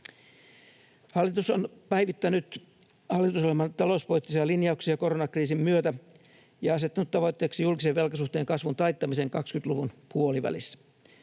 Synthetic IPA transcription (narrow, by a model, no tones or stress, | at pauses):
hɑlːit̪usonpæiʋit̪ːænyt̪ | hɑlːˑit̪usolemɑnt̪ɑlouspolit̪ːisiɑlinjɑuksiɑko̞ɾonɑkriːsimmyøt̪æ | jɑɑset̪ːɑnut̪tɑʋo̞jt̪ːeːksijulkiseʋʋe̞lkɑsuht̪eːŋkɑsʋunt̪ɑjt̪ːɑmiseːŋkɑkskyt̪luʋunpuoliʋæ̰lisːæ̥